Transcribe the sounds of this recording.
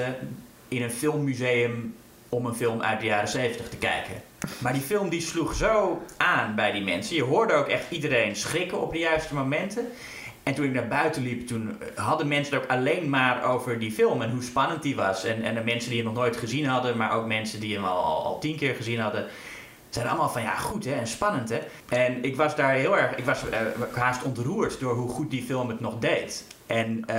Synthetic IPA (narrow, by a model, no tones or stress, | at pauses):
ə | ɪnənfɪlˠmːyzeːəm | ɔmənfɪlˠmʔœ̰ɥt̚dəjaːɾəsejfvəntəχtəkɛ̰jkə̰ | maːɹdifɪlˠmdisluxsowʔaːnbɛjdimɛnsəjəɦʊːɹdəowkɛχtidəɾejnsχrɪkəɔ̰p̚dəjœɥstəmomɛntə | ɛntunɪk̚naːɹbœɥtəliptunɦɑdəmɛnsənoːkalejnmaːro̰wvəɹdifɪlˠmɛnɦuspɑnənt̚diʋɑsɛnɛnmɛnsəndiənɔχnoːjtχəzinɦɑdəmaɹʔo̰wk̚mɛnsədiəmɔ̰l̰ˠl̰ˠlˠtinkɪːɹχəzinɦɑdə | sɛjdən̰lˠmaːlˠfɔnja̰χutɦɛɛnspɑnəntɦɛ | ɛnɪkʋɑsdaːɹɦɪlˠɛɹχɪkʋɑsɦaːstɔntruːəɹtdoːɹɦuχut̚difɪlˠmətnɔχdejt | ʔɛn